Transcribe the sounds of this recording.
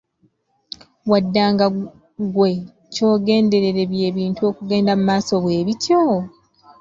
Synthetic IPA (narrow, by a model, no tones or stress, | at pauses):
wadːaːŋɡa | ɡwe̞ | co̞ːɡe̞ːnde̞ɾe̞ɾe̞βje̞ːβiːntuo̞ːkuɡe̞ːndamumaːso̞βwe̞ːβitjo